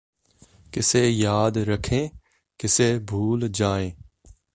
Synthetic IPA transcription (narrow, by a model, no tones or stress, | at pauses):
kɪsejaːd̪ɾəkʰẽː | kɪsebʱuːld͡ʒaːẽː